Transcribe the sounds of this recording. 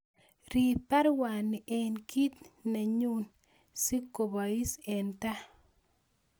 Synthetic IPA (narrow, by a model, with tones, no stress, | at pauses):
ɾi˨pa˦ɾwa˨nːɪ˨ʔɛ˨nki˦t̪na˨ɲu˦n | si˦kːo˨ba˨i˦sɛ˨nta˦